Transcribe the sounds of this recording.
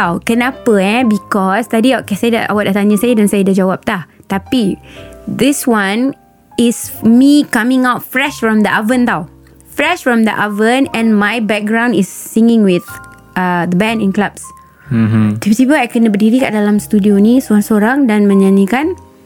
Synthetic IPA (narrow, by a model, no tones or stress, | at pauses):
tawkənapəɛbikɔst̪adiaʔkɛsajdaʔwat̪̚at̪aɲə̃sajdɛnsajadad͡ʒawap̚t̪aht̪api | d̪iswãn | ɪsmikamɪ̃ŋawt̚fɾɛʃfɹɔ̃md̪əʔavə̃nt̪aw | fɾɛʃfɹɔ̃md̪əʔavə̃nɛ̃nmajbɛk̚ɡɾãw̃ndɪsːiŋɪ̃ŋwɪθ | əd̪əbɛ̃ndɛ̃nklabs̩ | t̪ipisipəajkənə̃bədiɾika̰ʔdalamst̪udionĩsoɾaŋsoɾaŋdanmə̃ɲãɲə̃kan